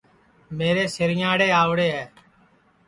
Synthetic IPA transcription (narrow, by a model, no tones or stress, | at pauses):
meːɾeːsɪɾɪjãːɽeːaːʋɽeːɦɛː